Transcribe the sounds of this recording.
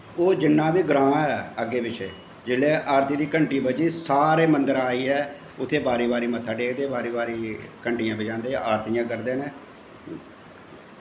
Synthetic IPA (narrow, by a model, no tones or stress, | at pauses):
oːd͡ʒɪnːãːbiːɡɾãːɛːəɡːeːbɪt͡ʃʰeː | d͡ʒɪleːʔaːɾt̪iːd̪iːkəɳʈiːbəd͡ʒiːsaːɾeːmənd̪əɾaːiːɦɛː | ʊt̪ʰːeːbaːɾiːbaːɾiːmət̪ʰːaːɖeːkd̪eːbaːɾiːbaːɾiːkəɳʈijãːbɪd͡ʒãːnd̪eːaːɾt̪iːãːkəɾd̪eːneː